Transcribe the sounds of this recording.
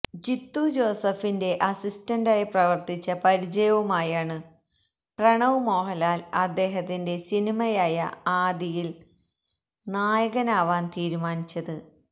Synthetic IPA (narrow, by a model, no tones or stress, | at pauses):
d͡ʑit̪ːud͡ʑo̞ːsɐfinde̞ʔɐsistɐndaːjiprɐʋɐrt̪it͡ɕːɐpɐɾid͡ʑɐjɐʋɐmaːjaːɳɨ | prɐɳɐʋmo̞ːɦɐlaːlɐd̪ːe̞ːɦɐt̪ːinde̞sinimɐjaːjɐ̰aːd̪ijil | naːjɐɣɐnaːʋaːnt̪iːɾumaːnit͡ɕːɐðɨ